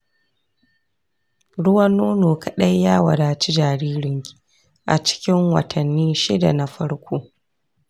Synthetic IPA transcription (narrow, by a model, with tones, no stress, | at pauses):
ɽʊ˦wɐ˦nːoː˦noː˨kɐ˨ɗɐ˦jːaː˦wɐ̰˨ɽaː˨t͡ʃi˦d͡ʒaː˨ɾiː˦ɾɪ˨ŋkʲi̥ː˨ | ʔa̰˨t͡ʃɪ̥˦kʲɪ˦ŋwɐ̰˨tʰɐ˨nːiː˦ʃɪ̰˦da̰˨na˨ɸɐ˦ɽkʷʰoː˦